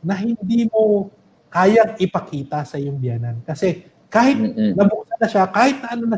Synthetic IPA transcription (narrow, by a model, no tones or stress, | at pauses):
nɐɦɪnd̪iːmo̞ | kaːjɐŋʔɪpɐkiːt̪ɐsɐʔɪjoŋbjaːnɐnkɐsɛ | kaːhɪt̪nɐbʊk̚sɐnɐʃakaːhɪt̪̚nɐʔɐnonɐ